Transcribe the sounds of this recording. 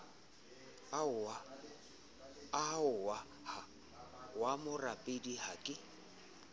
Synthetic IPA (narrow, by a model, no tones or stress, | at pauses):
aʊwa | ha | wamʊrapʼediɦakʼɪ